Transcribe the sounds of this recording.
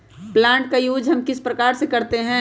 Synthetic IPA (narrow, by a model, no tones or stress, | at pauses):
plãːɳʈ̚kajuːd͡ʒɦɐmkɪspɾɐkaːɾsekɐɾt̪eɦɛ̃